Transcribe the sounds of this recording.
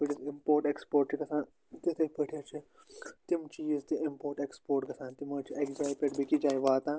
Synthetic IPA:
ʋiʈizimpoːɾʈekspoːɾʈ̚t͡ʃʰiɡɐsãːn | t̪it̪ʰɐpɐʈʰet͡ʃʰi | t̪imt͡ʃiːzt̪iʔimpoːɾʈekspoːɾʈɡɐsãːnt̪imɐːt͡ʃʰiʔekd͡ʒaːjpʲeʈbikid͡ʒaːjʋaːt̪ãː

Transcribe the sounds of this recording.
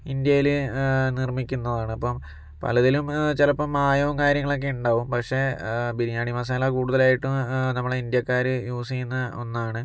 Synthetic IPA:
ind̪jɐjilnirmikʲːunːɐðaːɳɨɐpːɐm | pɐ̰lɐðilumt͡ɕelɐpːɐmaːjoːmkaːɾjɐŋːɐɭo̞k̬ːe̞uɳɖaːʋumpɐkʂe̞biɾijaːɳɽimaːs̬aːlɐkuːɽuðɐlaːjiʈːunɐmːɐɭeind̪jɐkːaːɾɨjuːsijunːɐo̰nːaːɳɨ

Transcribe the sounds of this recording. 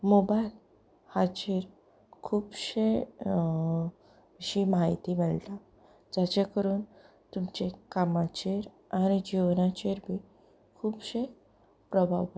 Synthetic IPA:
mobajl | had͡ʑeɾ | kʰuːbɕe | ɕimaɦit̪imeɭʈa | d͡zat͡ɕẽkəɾuːn | t̪umt͡ɕekamat͡ɕeɾ | añid͡ʑiʋnat͡ɕeɾbʱiː | kʰuːbɕe | pɾəbʱa̰ʋə

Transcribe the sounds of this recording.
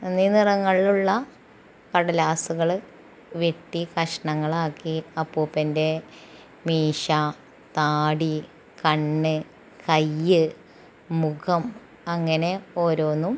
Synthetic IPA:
ininirɐŋːɐɭiluɭːɐ | kɐɽɐlaːsuɣɐɭ | ʋjeʈːikɐʂɐɳɐŋːɐɭaːkːiɐpːuːpːɐnde̞ | miːʂa | t̪aːɽi | kɐɳːɨ | kɐjːɨ | mukʰɐm | ɐŋːɐne̞o̞ːɾo̞ːnːum

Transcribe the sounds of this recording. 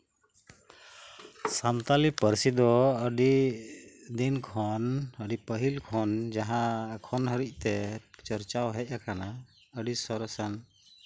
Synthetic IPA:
samt̪alipəɾsid̪ɔəɖi | d̪inkʰɔnəɖipəɦilkʰɔnd͡ʒaɦãkʰɔnɦəɾic̚ˀt̪ɛt͡ʃəɾt͡ʃawɦɛc̚ˀakana | əɖisɔɾsan

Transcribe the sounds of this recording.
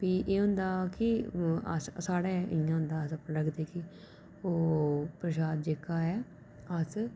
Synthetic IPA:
piːʔeːɦʊ̃nd̪aːkɪə̰ssaːɽeːʔɪjãːɦʊ̃nd̪aːsəpləkd̪eːkɪ | oːpɾəʃaːd̪̚d͡ʒeːkaːɛː | əs

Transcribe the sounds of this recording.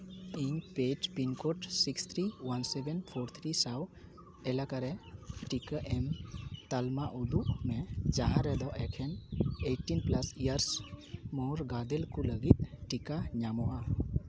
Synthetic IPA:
iɲped͡ʒpinkɔʈsikst̪ʰɾiwansɛbɛnpʰɔɾt̪ʰɾisaw | ɛlakaɾɛʈikaʔɛmt̪almaʔud̪uʔmɛd͡ʒaɦaɾɛd̪ɔʔɛkʰɛnejʈinplasijaɾsmɔɾɡad̪ɛlkuləɡit̪̚ʈikaɲamɔʔa

